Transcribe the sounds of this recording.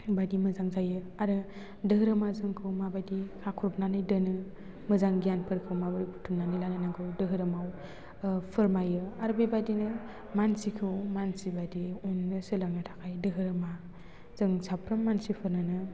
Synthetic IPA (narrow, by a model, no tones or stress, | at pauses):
badimɯzaŋzajɯ | aɾɯ | dɯɦɯɾɯmazɯŋkʰɯwmabajdikʰakʰuɾup̚nanɯjdɯnɯ | mɯzaŋɡijanpʰɯɾkʰɯwmabapʰutʰumnanɯjlanɯnaŋkʰɯwdɯɦɯɾɯmaw | pʰɯɾmajɯaɾbebadinɯ | mansikʰɯwmansibadiunːɯsɯlaŋnɯtʰḁkʰajdɯɦɯɾɯma | z̥ɯŋsʰapʰɾɯmːansipʰɯɾnɯnɯ